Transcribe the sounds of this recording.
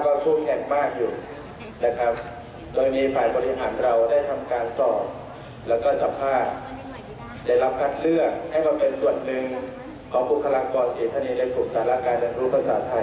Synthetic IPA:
baː˧kʰuː˥˩kʰɛ˨˩ŋmaː˥˩k̚juː˨˩ | na˦˥kʰa˦˥p̚ | t̪o˧miː˧pʰaː˨˩˦jbɔː˧ɾi˦˥ɦaː˩˦nɾa˧wdaː˥˩jt̪ʰa˧mkaː˧nsɔː˨˩t̚ | lɛː˦˥wkɔː˥˩sa˨˧˦mpʰaː˥˩t̪̚ | daː˥˩jla˦˥p̚kʰa˦˥t̪̚lɯ˥˩ək̚ha˥˩jbaː˧˩pe˧nsu˨˩ənnɯ˧ŋ | kʰɔː˩˦ŋpʰuː˥˩pʰa˧laː˧ŋkɔː˧nsiː˨˩˦t̪ʰaː˧niː˧naː˧jkʰu˨˩k̚saː˨˩˦laː˦˥˩kaː˧njaː˨˩kɾuː˦˥pʰa˧saː˩˦t̪ʰa˧j

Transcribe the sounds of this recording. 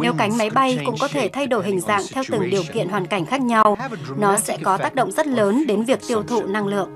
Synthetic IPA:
ne˨˦wka˨˦jŋ̟ma˨˦jɓa˧jkʊ̰˧˥ŋ͡mkɔ˨˦t̪ʰe˧˩t̪ʰa˧jɗo˧˩jhï˨˩ŋ̟za̰ː˧˨ŋt̪ʰɛ˧wt̪ɨ˨˩ŋɗi˨˩əwkḭ˧˨ənhwaː˨˩nka˧˩jŋ̟xaː˦˥k̚ɲa˧wnɔ˨˦sɛ̰˧˥kɔ˨˦t̪aː˦˥k̚ɗo̰˧˨wŋ͡mz̥ə˦˥t̚ləː˨˦nɗe˨˦nvi˨˩ək̚t̪i˧əwt̪ʰṵ˧˨na˧ŋlɨ̰˧˨əʔ

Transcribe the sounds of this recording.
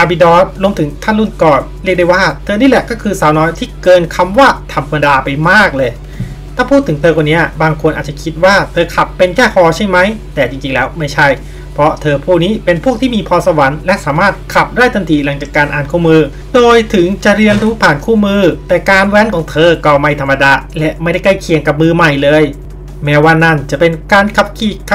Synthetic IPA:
ʔa˧˩bi˧dɔː˦˥˩t̪̚lu˧əmt̪ʰɯ˨˩˦ŋt̪ʰa˥˩nlu˥˩nkɔː˨˩nɾi˥˩k̚da˥˩jwaː˥˩t̪ʰɤː˧niː˦˥lɛ˨˩kɔː˥˩kʰɯː˧saː˩˦wnɔː˦˥jt̪ʰiː˥˩kɤː˧nkʰa˧mwaː˥˩t̪ʰa˧mka˧ndaː˧pa˧jmaː˥˩k̚lɤː˧j | t̪ʰaː˥˩pʰuː˥˩t̪ʰːɯ˩˦ŋt̪ʰɤː˧kwa˨˩ni˦˥ɐbaː˧ŋkʰo˧nʔaː˨˩t̚t͡ɕa˨˩kʰi˦˥t̪̚waː˥˩t̪ʰɤː˧kʰa˨˩pːe˧nkʰɛː˥˩pʰɔː˧t͡ɕʰa˥˩jma˦˥jt̪ɛː˨˩t͡ɕi˧ŋt͡ɕi˧ŋlɛː˦˥wma˥˩jt͡ɕʰa˥˩j | pʰɾɔ˦˥t̪ʰɤː˧pʰuː˥˩k̚niː˦˥pe˧npʰu˥˩kt̪ʰiː˥˩miː˧pʰɔː˧sa˧wa˩˦nlɛ˦˥ʔsaː˩˦maː˥˩t̪̚kʰa˨˩p̚daː˥˩jt̪a˧nt̪ʰiː˨˩la˩˦ŋt͡ɕaː˨˩kːaː˧nʔaː˨˩nkʰuː˥˩mɯː˧ | doː˧jt̪ʰɯ˩˦ŋt͡ɕa˨˩ʔɾi˧ənɾuː˦˥pʰaː˨˩nkʰuː˥˩mɯː˧t̪ɛː˨˩kaː˧nwɛː˦˥nkʰɔː˨˩˦ŋt̪ʰɤː˧kɔ˧˩ma˧jt̪ʰa˧mːa˧daː˧lɛ˦˥ʔma˥˩jda˥˩jkla˥˩jkʰi˨˦əŋka˨˩p̚mɯː˧ma˨˩jlɤː˧j | mɛː˦˥waː˥˩na˥˩nt͡ɕa˨˩pe˧nkaː˧nkʰa˨˧˩p̚kʰiː˨˩kʰ

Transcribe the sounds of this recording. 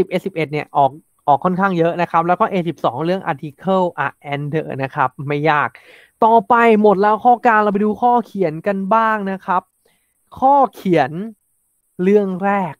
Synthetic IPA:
si˨˩p̚ʔe˨˧˩si˨˩p̚ʔe˨˩t̪̚ni˥˩əʔɔː˨˩k̚ | ʔɔː˨˩kʰːɔ˥˩nkʰaː˥˩ŋjɤ˦˥ʔna˦˥kʰa˦˥p̚lɛː˦˥wkɔː˥˩ʔeː˧si˨˩p̚sɔ̰ː˩˦ŋɾɯ˥˩əŋʔa̰ː˧t̪ʰi˧kʰɤː˥˩wʔa̰˧˩ʔɛː˧ndɤ̰ː˨˩na˦˥kʰa˦˥p̚ma˥˩jːaː˥˩k̚ | t̪ɔː˨˩pa˧jmo˨˩t̪̚lɛː˦˥wkʰɔː˥˩kaː˧nla˧wpa˧duː˧kʰɔː˥˩kʰi˨˩˦ənka˧nbaː˥˩ŋna˦˥kʰa˦˥p̚ | kʰɔː˥˩kʰi˨˩˦ən | ɾɯ˥˩əŋɾɛː˥˩k̚

